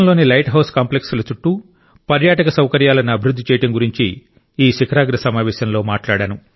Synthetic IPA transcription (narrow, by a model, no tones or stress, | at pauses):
ɐnloːnilɐjʈɦɐwskaːmple̞ksulɐt͡ʃuʈːu | pɐɾjaːʈɐkɐsɐwkɐɾjaːlɐniɐbʱiɾud̪ʱːit͡ʃɛːjɐʈɐŋɡuɾiɲt͡ʃiː | ʃikʰɐɾaːɡɾɐsɐmaːʋɛːʃɐnlo̞ːmaːʈlaːɽaːnu